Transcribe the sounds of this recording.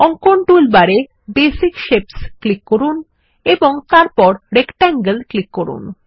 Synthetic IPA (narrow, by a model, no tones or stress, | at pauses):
ɔŋkoɳʈulbaɾe | besikʃepsklikːoɾun | eboŋt̪aɾpɔɾɾekʈaŋɡəlklikːoɾṵn